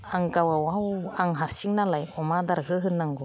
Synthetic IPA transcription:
aŋkawawawaŋɦaɾsiŋnalajɔmad̪aɾɡɯɦɯnːaŋɡo

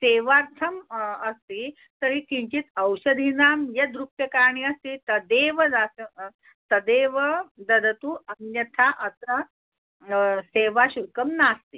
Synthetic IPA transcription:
seːʋaɾt̪ʰəməst̪iː | t̪əɾiːk̪ĩɲt͡ɕiːt̪əwɕəd̪ʱinaːmjɐd̪ɾuk̚t̪jəkaɾɳiəst̪iːt̪əd̪eʋəd͡zasə | t̪ɐd̪eʋəd̪ɐd̪ɐt̪uːɐnjɐt̪ʰaʔəsa | seːʋaɕuɾkəmnast̪iː

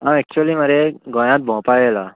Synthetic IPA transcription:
amɛk̚t͡ɕuəliməɾeɡɔ̃j̃ãt̪̚bʱɔ̃pajela

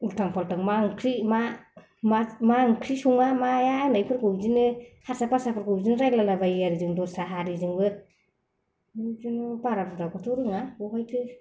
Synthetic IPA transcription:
ultʰaŋpʰaltaŋmaŋkʰɾima | mamaŋkʰɾisuŋamajanajpʰɯɾkʰɯwbzinɯhaɾsapasapʰɯɾkɯwzinɯɾajlalabajijaɾizɯŋdɔsaɦaɾizɯŋbɯ | ɯzinɔbaɾabɔtakatʰɔɾɯŋaɔkajtʰɯ

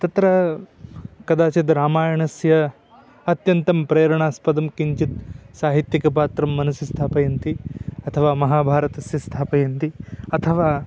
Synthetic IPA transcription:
t̪ɐt̪ɾɐ | kɐd̪aːt͡ʃɐd̪ɾaːmaːjɐɳɐsjɐ | ɐt̪jɐnt̪ɐmpɾeːɾɐɳaːspɐd̪ɐmkiɲt͡ʃit̪̚saːɦit̪jɐkɐpaːt̪ɾɐmːɐnɐsjɐst̪ʰaːpɐjɐnt̪iɐt̪ʰɐʋaːmɐɦaːbʱaːɾɐt̪ɐsjɐst̪ʰaːpɐjɐnt̪iɐt̪ʰɐʋaː

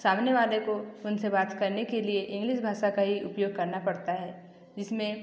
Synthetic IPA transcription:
saːmnjeʋaːlekoʊnsebaːt̪kɐɾnekelieʔɪ̃ŋɡlɪʃbʱaːʃakaɦiʊpjoːɡ̚kɐɾnapɐɽt̪aɦɛː | d͡ʒɪsmẽ

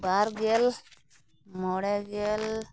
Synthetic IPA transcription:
baɾɡel | moɽeɡel

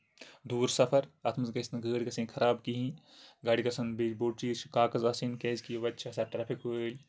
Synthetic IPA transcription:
d̪uːɾsɐpʰɐɾɐt̪ʰmɐzɡɐsnɐɡəːɽikɐsĩːkʰɐɾaːbkiɦĩː | ɡaːɽikɐsɐnbeːd͡ʒboːʈt͡ʃiːt͡ʃkaːkɐzaːsinkeːzkijʋɐtːʃʰɐsaːʈɾaːpʰikɦolʲ

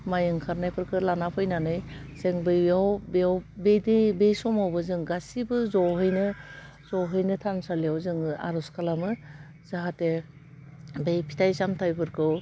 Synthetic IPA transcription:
majɯŋkʰaɾnajpʰɯɾkʰɯlanapʰɯjnanɯjseŋbɯjawbeawbedebejsɔmawbɯzɯŋɡasibɯzɔɦɯjnɯ | zɔwɦɯjnɯtʰansalijawzɯŋa̰ɾɔskalamɯ | zaɦate | bejpʰi̥tʰajzamtʰajpʰɯɾkʰɯw

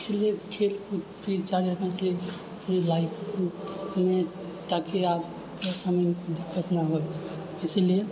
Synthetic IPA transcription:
isliekʰelkupɾit͡ʃaɾiɾəkʰnɛt͡ʃlie | əpnilaikʰume | t̪akiab | səməjnkod̪ikʰːət̪naɦoj | islie

